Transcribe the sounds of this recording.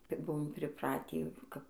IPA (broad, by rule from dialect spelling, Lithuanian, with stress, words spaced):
ˈkɐɪp ˈbʊʋoːm pʲrʲɪˈprɑːtʲiː kɐp